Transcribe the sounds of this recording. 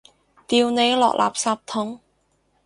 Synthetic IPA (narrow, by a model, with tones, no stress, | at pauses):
t̪iː˨wne˨˧jlɔ̰ː˨k̚lʔa̰ː˨p̚saː˧p̚t̪ʰʊ˨˥ŋ